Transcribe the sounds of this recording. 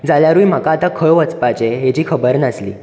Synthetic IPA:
d͡zaljaɾuim̤akaːt̪akʰəɭʋət͡spat͡ɕeɦet͡ɕiːkʰəbəɾnəslḭː

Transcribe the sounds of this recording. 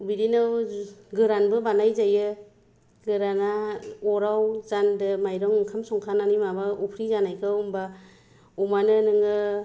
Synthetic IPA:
biɾinɯɡɯɾanbɯbanajzajɯ | ɡɯɾanaɔɾawzandɯmajɾɔŋɯŋkʰamsɔŋkʰananimabaupʰɾizanajkʰɯumba | umanɯnɯŋɯ

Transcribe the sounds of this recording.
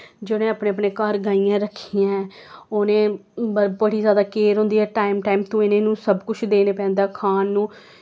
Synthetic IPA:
d͡ʒoːnẽːaːpnẽːəpneːkəɾɡaːijãːɾəkʰːiːãːɛoːnẽːəbəɽiːzjaːd̪aːkeːɾɦõːnd̪iːɛːʈaːɪmʈaːimt̪õːeːnẽːnũːsəbkʊt͡ʃʰd̪eːneːpɛ̃ːnd̪aːkʰaːnːũː

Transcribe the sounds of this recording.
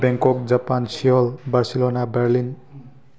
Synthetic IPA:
bɛŋkɔkd͡zapansiɔlbaɾsilonabeɾlin

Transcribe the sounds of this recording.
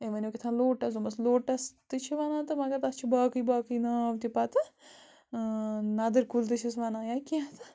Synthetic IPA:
emɐnʲokit̪ʰãːloːʈɐzomɐsloːʈɐst̪ɨt͡ʃʰiʋanãːt̪ɨmaɡɐt̪ɐst͡ʃʰibaːkɨjbaːkɨjnɐʋt̪ʲipat̪ɨ | naːd̪ɐɾkuːlt̪̬ɨt͡ʃʰisʋanãːjakiãt̪ɨ

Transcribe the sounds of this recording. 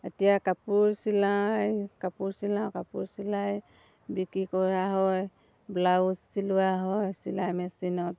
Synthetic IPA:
etijakapuɹsilajkapuɹsilawkapuɹsilaj | bikikɔɹaɦɔj | blaussiluwaɦɔjsilajmɛsinɔt̚

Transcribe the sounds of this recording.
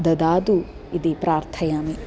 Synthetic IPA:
d̪ɐd̪aːd̪u | id̪ipɾaːɾt̪ʰɐjaːmi

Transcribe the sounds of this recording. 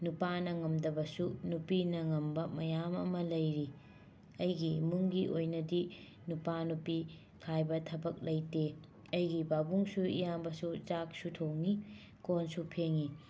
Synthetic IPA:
nupanɐŋɐmdɐbɐsunupinɐŋɐmbɐmɐjamɐ̰mɐlɐjɾi | ɐjɡimuŋɡiʔojnɐdi | nupanupi | kʰajbɐtʰɐbɐk̚lɐjte | ɐjɡibabuŋsuḭjambɐsut͡ʃak̚sutʰowŋi | konsupʰeŋi

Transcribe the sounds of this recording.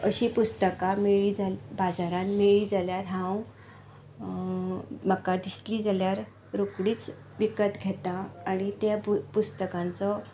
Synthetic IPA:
ə̰ɕiːpust̪əkameɭid͡zabad͡zaɾãnmeɭiːd͡zaljaɾɦãw | məkad̪isliːd͡zaljaɾ | ɾokɽiːt͡s | ʋikət̪ɡʱet̪aːɽ̃it̪japust̪əkãnt͡sɔ

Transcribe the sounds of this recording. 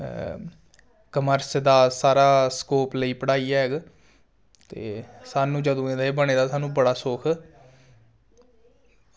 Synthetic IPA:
kəməɾsd̪aːsaːɾaːskoːpləiːpəɽaːiːɛːɦɛɡ | t̪ḛːsaːnũːd͡ʒəd̪õːẽːd̪aːeːbəɳeːd̪aːsaːnũːbəɽaːsoːkʰ

